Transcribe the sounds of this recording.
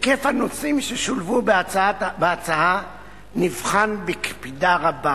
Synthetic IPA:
kefhanosimʃeʃolvubbeat͡saa | nivχanbekpidaʁaba

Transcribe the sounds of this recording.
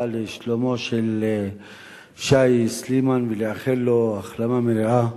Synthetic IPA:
aleʃlomo̞ʃel | fʃajslimanveleaχelːoaχlamameɾaa

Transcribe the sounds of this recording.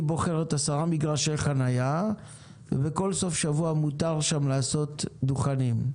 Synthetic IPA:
ibo̞χeʁet̪asaʁamiɡʁaʃelχanaja | vḛbeko̞lso̞fʃavuamut̪aʁʃamlaːso̞t̪d̪uχanim

